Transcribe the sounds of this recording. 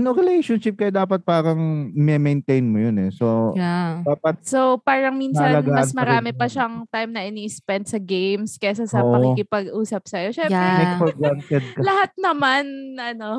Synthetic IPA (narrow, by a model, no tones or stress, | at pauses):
noŋɾɪlejʃonʃɪp̚kɐjod̪aːpɐt̪̚paːɾɐŋmɛmejnt̪ejnmojonɛsod̪aːpɐt̪̚sopaːɾɐŋminɐɐlanɡaːmɐɐsmɐɾaːmɪpɐʃɐʔɐŋt̪ajmnɐʔɪniːʔɪspɛnd̪sɐɡejmskɛs̬ɐsɐmɐkikɪpɐɡʔuːsɐp̚sɐjo̞ʃɛmpɾɛmɛfɔɡant̪ɛd̪̚kɐlɐhat̪̚nɐmanʔɐno̞